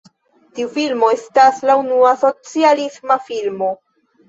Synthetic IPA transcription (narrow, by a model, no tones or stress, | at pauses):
tiufilmo̞e̞staslaunuaso̞t͡sialismafilmo̞